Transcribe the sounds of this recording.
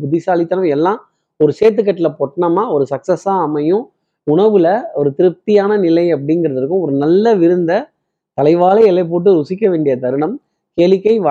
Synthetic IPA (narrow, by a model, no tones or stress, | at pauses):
bʊðɪsaːlɪt̪ːɐnɐ̃mɛlːãː | ɔɾɯseːt̪ːɯk̬ːɐʈːɪlɐpɔʈːɐɳɐmaːɔɾɯsɐksɐsaːɐmɐjʊ̃ | ʊɳɐʋɯlɐɔɾɯt̪ɪɾɯp̚t̪ɪjaːnɐnɪlɐɪɐp̬ːɐɽɪŋɡɪɾɐðɪɾɯkːɯ̃ɔɾɯnɐlːɐʋɪɾɯnd̪ɐ | t̪ɐlɐɪʋaːlɐɛlɐɪp̬oːʈ̬ːɯɾʊsɪkːɐʋeːɳɖɪjɐt̪ɐɾɯɳɐm | keːlʋɪkːɐɪʋɐ